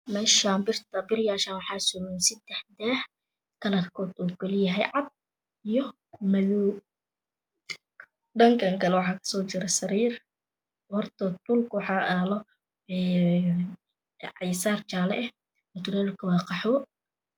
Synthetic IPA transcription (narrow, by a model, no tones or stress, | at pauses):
mɛːʃaːbɪrt̪ʰɐbɪrjaːʃaːnwɑħɑːsʊmɛnsɪd̪ɛħd̪ɛːh | kʰɐlɐrkʰɔːd̪ɔːkɔlɪjɐɦɛjʕɑd̪̚ | ijɔ | mɐlu | ɖɐŋkʰɐŋkʰɐlɛwɑħɑːkʰɐ̥sɔːt͡ʃɪɾɛsɐɾiːr | hɔrt̪ʰɐt̪ʊlkʊwɑħɑːʔaːlɔ | ɛː | ʕɪjsaːrt͡ʃaːlɛ̰ʔɛh | ɔt̪ʊɾɛːlkʰɐwɑːqɑħɔː